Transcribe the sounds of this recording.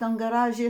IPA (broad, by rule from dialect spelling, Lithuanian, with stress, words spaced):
ˈtɐm ɡɐˈrɑːʒʲɪ